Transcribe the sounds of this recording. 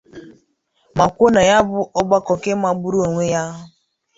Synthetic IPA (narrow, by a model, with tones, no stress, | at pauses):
ma˨kʷo˦na˨ja˦bʊ˦ʔɔ˦ɡ͡ba˦kɔ˨ke˦ma˨ɡ͡bu˦ɾu˦o˨ŋʷe˦ja˦ʊ˦